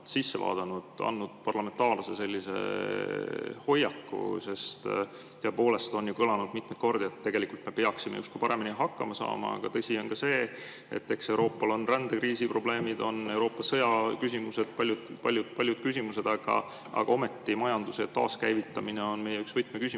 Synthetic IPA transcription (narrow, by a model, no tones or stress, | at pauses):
sisːevɑ̰ːd̪̥ɑnud̪̥ɑ̰nːud̪̥̚pɑrlɑme̞nt̪ɑːrlusese̞lʲːise̞̰ | ho̞jːɑkːṵse̞st̪ | t̪ːeepo̞ːle̞st̪o̞njukɤlɑnud̪̥mit̪met̪ko̞rd̪̥iet̪ːe̞ɡ̥e̞likult̪me̞peɑksimḛust̪kuipɑɾe̞miniɦɑkːɑmɑsɑ̰ːmɑ̰ɑ̰ɡ̥ɑt̪ɤsʲio̞nkɑse̞ː | ḛt̪ːe̞kse̞wɾo̞ːpːˑɑlo̞nrænd̪̥ekriːsipro̞b̥le̞ːmid̪̥o̞ne̞wɾo̞ːpːˑɑsɤjɑkysimuse̞d̪̥̚pɑlʲjud̪pɑlʲjud̪̥̚pɑlʲjud̪̥kys̬ʲimuse̞d̪̥ɑɡ̥ɑ̰ | ɑ̰ɡ̥ɑo̞me̞t̪ːimɑjɑnd̪̥uset̪ɑ̰ːskæjvit̪ːˑɑmineo̞nme̞jeyksv̥ɤjt̪mekysʲim